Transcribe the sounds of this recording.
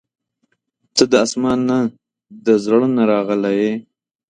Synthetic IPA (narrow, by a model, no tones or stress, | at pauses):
t͡səd̪əasmɑnːa | d̪əzɽənaɾɑɣəlaje